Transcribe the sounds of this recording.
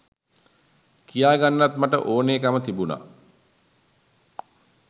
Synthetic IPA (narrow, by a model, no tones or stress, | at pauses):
kijaːɡanːat̪maʈə̰ʔoːneːkamət̪ibuna̰